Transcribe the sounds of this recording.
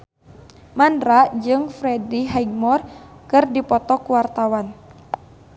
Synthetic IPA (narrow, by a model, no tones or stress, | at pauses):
mandɾaʔd͡ʒɨŋfɾɛdiɦaiɡ̚mɔrkɨrdipɔt̪ɔkuwart̪awan